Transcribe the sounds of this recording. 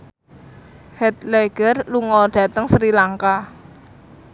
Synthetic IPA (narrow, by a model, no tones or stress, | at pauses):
hɛt̪leɡ̥ərluŋɔɖ̥ä̤t̪əŋsɾilaŋka